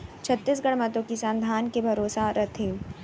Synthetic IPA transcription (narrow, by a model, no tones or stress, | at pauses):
t͡ʃʰɐt̪ːis̬ɡɐɽmɐt̪õkisãnd̪ʱaːnkebʱɐɾoːsaɾɐt̪ʰi